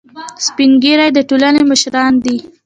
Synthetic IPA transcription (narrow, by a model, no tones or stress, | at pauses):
spiŋɡeɾajd̪əʈolaneməʃɾɑnd̪i